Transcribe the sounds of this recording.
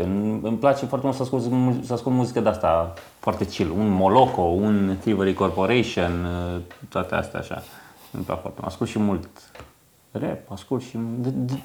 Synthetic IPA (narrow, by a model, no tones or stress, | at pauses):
ɨnɨmplat͡ʃefoaɾrt̪emult̪saskulzmusəaskult̪muzikəd̪east̪a | foart̪et͡ʃilunmoloko̞unθivəɾikorpoɾeʃont̪oat̪ea̰st̪ea̰aʃa̰ɨ̰mpla̰kfowa̰rt̪emṵʔa̰skulsʃimult̪ | repaskult̪ʃid̪d̪